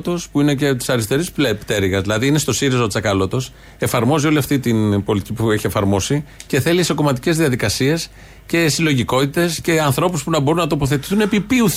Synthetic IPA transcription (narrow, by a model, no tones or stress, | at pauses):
t̪o̞spuine̞cet̪i̥sɐɾist̪e̞ɾispept̪e̞ɾiɣɐzðilɐðiine̞st̪o̞siɾizot͡sɐkɐlo̞t̪o̞s | e̞fɐɾmo̞zio̞liɐft̪it̪inpo̞lit̪i̥cipue̞çie̞fɐɾmo̞sice̞θe̞liiso̞ko̞mɐt̪i̥ce̞zðiɐðikɐsie̞s | ce̞silo̞ʝiko̞t̪it̪e̞sce̞ɐnθɾo̞puspunɐbo̞ɾunːɐt̪o̞po̞θe̞t̪i̥θune̞pipiu